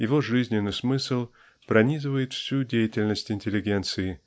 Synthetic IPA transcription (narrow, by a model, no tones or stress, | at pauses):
jɪvo̞ʐɨzʲnʲɪnːɨjsmɨsəlˠ | pɾɐnʲizɨvəjɪt̪fsʲudʲejɪtʲɪlʲnəsʲtʲɪnʲtʲɪlʲɪɡʲe̞nt̪sɨɪ